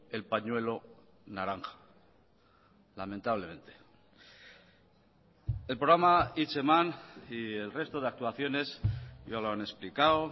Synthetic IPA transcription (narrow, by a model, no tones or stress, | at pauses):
e̞lpaɲwe̞lo̞naɾaŋxḁ | lamẽnt̪aβ̞le̞mẽ̞nt̪e | e̞lpɾoɣɾamait͡ʃemanie̞lre̞st̪oð̞e̞ak̚t̪uaθjo̞ne̞sjaloanesplikao